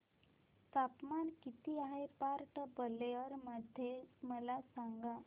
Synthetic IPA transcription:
t̪apmankit̪iaɦepaɾʈbəleɔɾməd̪ʱeməlasãŋɡa

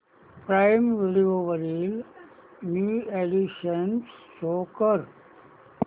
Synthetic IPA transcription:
pɾaɪmʋɪlioʋəɾil | mjuːeɖiʃənssoːkəɾ

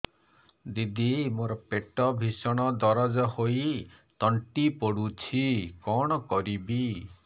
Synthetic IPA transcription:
d̪id̪ʱimoɾɔpeʈɔbʱisɔɽ̃ɔd̪ɔɾɔd͡ʒɔhoj | t̪ɔɳʈipɔɽut͡ʃʰikɔɽ̃ɔkɔɾibi

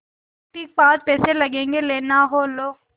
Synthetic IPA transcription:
ʈiːk̚paːd͡ʒpɛːselɐɡẽːŋɡeleːnaɦoːloː

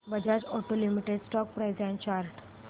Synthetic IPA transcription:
bəd͡ʑʱat͡sɔʈolimiʈeɖsʈɔk̚pɾajd͡zjãɲt͡ɕaɾʈʰ

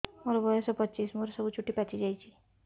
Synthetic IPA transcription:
moɾɔbɔjɔsɔpʌtːt͡ʃismoɾsɔbut͡ʃʰuʈːipat͡ʃʰid͡ʒajt͡ʃʰi̥

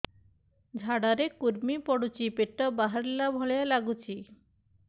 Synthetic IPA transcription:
d͡ʒʱaɽaɾekuɾmipɔɽut͡ʃʰipeʈːɔbaɦaɾilabʱɔɭejalaɡut͡ʃʰi

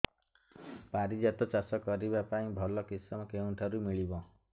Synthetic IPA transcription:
paɾid͡ʒat̪ɔt͡ʃasɔkɔɾibapaĩbʱɔlɔkisɔmɔkeũʈʰaɾumiɭibɔ

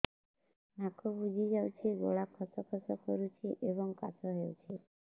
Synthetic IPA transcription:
nakʰɔbud͡ʒʱid͡ʒawt͡ʃʰeɡo̰ɭakʰɔsɔkʰɔsɔkɔɾut͡ʃʰeʔebɔŋkasɔɦewt͡ʃʰe

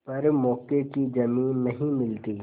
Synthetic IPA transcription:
pɐɾmɔːkekid͡ʒɐmiːnːɐɦĩmɪlt̪iː

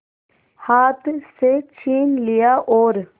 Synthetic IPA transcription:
haːt̪ʰset͡ʃʰiːnlɪjaʔɔːɾ

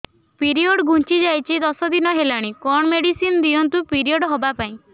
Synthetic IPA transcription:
piɾioɽɡʱũnt͡ʃid͡ʒajt͡ʃʰid̪ɔsɔd̪inɔɦelaɽ̃ikɔɳɔmeɽisinɔd̪iɔnt̪upiɾiɔɽɦobapaĩ

